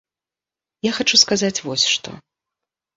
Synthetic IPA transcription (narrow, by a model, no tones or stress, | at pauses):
jaxat͡ʂuskazat͡sʲvɔsʲʂt̪ɔ̰